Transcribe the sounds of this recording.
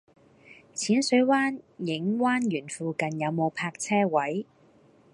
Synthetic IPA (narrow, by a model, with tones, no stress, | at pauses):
t͡sʰiː˨˥nsɵ˨˥waː˥njɪ˨˥ŋwaː˥njyː˨˩nfuː˨kɐ˨njɐ˨˧wmo˨˧wpʰaː˧k̚t͡sʰɛː˥wɐ˨˥j